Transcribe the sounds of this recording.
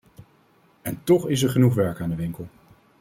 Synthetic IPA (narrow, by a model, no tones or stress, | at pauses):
ɛntɔχɪs̬ɛɹχənuχʋɛɹkaːndəʋɪŋkəlˠ